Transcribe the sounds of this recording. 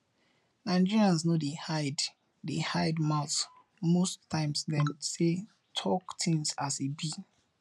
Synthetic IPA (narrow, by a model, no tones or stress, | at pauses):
nãɪd͡ʒiɹiãns̬nodehaɪd | dehaɪdmaʊθ | mostʰãɪ̃msdɛ̃mse | tʰɔktʰĩŋsasebi